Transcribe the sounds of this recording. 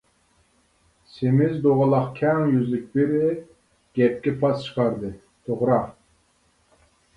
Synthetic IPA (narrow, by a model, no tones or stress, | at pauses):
semɪzd̪oʁɑlˠɑqkʲʰɛŋjyzlɪk̚ʲbeɾɪ | ɡ̥ʲɛp̚kʲɛpʰɑst͡ʃʰə̥qʰɑɾd̪ɨ | t̪ʰoʁɾɑ